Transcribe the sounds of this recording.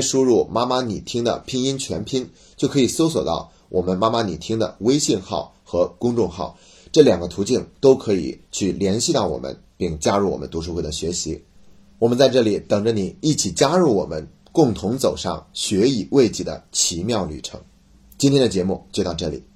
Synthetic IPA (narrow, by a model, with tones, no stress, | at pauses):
ʂu˥ɻu˥˩ma˥ma˥ni˨˩t̪ʰi˥ŋd̪ə̰˨pʰi˥ŋi˥nt͡ɕʰɥɛ̰˧˥npʰi˥n | t͡ɕjo˥˩ʊkʰɤ˧˥i˨˩so˥ʊswɔ̰˨˩t̪ɑ̰˥˩ʊ | wʔɔ˨˩mə˦nma˥ma˥ni˨˩t̪ʰi˥ŋd̪ə̰˨we˥ɪɕi˥˧nxɑ̰˥˩ʊ | xɤ˧˥kʊ˥ŋʈ͡ʂʊ˥˧ŋxɑ̰˥˩ʊ | ʈ͡ʂɤ˥˩ljɑ˨˩ŋɡə˦t̪ʰu˧˥t͡ɕi˥˩nt̪o˥ʊkʰɤ˧˥ḭ˨˩˦t͡ɕʰy˥˩ljɛ˧˥nɕi˥˧t̪ɑ˥˩ʊwɔ̰˨˩mʔə̰˦n | pi˥˩ŋt͡ɕja˥ɻu˥˩wɔ̰˨˩mə̰˦nt̪u˧˥ʂ̬u˥xe˥˩d̪ə˩ɕɥɛ˧˥ɕi˧˥ | wɔ˨˩mə˦nt͡sa˥˧ɪʈ͡ʂɤ˥˩li˨˩t̪ɤ˨˩ŋʈ͡ʂə˦˧ni˨˩i˥˩t͡ɕʰi˨˩t͡ɕja˥ɻu˥˩wɔ˨˩mə̰˦n | kʊ˥˩ŋt̪ʰʊ˧˥ŋt͡so˨˩ʊʂɑ̰˥˧ŋɕɥɛ˧˥i˨˩we˥˧ɪt͡ɕi˥˩d̪ə̰˩˦t͡ɕʰi˧˥mjɑ˥˩ʊly˨˩ʈ͡ʂʰɤ̰˧˥ŋ | t͡ɕi˥nt̪ʰjɛ˥nd̪ə˨t͡ɕjɛ˧˥mu˥˧t͡ɕjo˥˧t̪ɑ˥˧ʈ͡ʂɤ˥˩lḭ˨˩˦